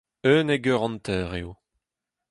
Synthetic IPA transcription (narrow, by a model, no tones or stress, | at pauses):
øːneɡœʁɑ̃nt̪ɛːʁeo